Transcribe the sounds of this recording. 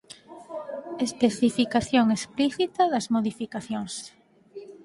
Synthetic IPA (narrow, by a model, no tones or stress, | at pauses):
espeθifikaθjoŋespliθit̪ɐðɐzmoðifikaθjoŋs